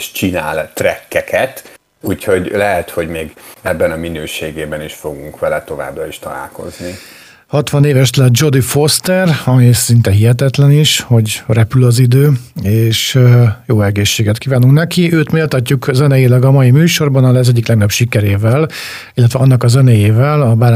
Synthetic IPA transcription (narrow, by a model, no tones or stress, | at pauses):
ʃt͡ʃina̰ːlt̪rɛkːɛkʰɛt̪ | uːcho̞ɟlɛɦɛt̪hoɟmeːɡɛbːɛnɒminøːʃeːɡeːbɛniʃfo̞ɡuŋkʋɛlɛt̪o̞va̰ːbrɒiʃt̪ɒ̰la̰ːlko̞̰zni | hɒt̪ʋɒneːvɛʃt̪lɛd͡ʒo̞d̪ifo̞st̪ɛrɒmisint̪ɛɦiɦɛt̪ɛt̪lɛniʃho̞ɟrɛpylɒzid̪øːeːʃjoːɛɡeːʃːeːɡɛt̪kiːvaːnuŋknɛkiøːt̪meːlt̪ɒcːukzɛnɛjilɛɡɒmɒjimyːʃo̞rbɒnɒlɛzɛɟːiklɛɡnɒpʃikɛɾeːvɛl | ilːɛt̪vʋɛɒnːɒkɒzɛnɛjeːvɛlɒbaː